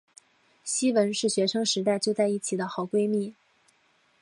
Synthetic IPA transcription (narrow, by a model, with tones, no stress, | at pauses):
ɕi˥wə˧˥nʂɻ̩˥˩ɕɥɛ˧˥ʂɤ˥ŋʂɻ̩˧˥t̪̬a˥˧ɪt͡ɕjo˥˧t͡sa˥˧ɪi˥˩t͡ɕʰi˨˩d̪ə˦xɑ˨˩ʊkwe˥ɪmi˥˩